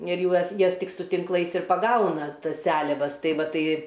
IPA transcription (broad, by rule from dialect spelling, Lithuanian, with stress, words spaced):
ɪr ˈjuɔs ˈjɛs ˈtʲɪk sʊ tʲɪŋkˈlˠɐɪs ɪr pɐˈɡɐʊnɐ ˈtɐs ˈsʲæːlʲɛʋɐs ˈtɐɪ ˈʋɐ ˈtɐɪ